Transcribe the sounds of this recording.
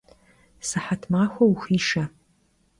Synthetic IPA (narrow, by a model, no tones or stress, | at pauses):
sɨħatʰmaxʷauxiːʂa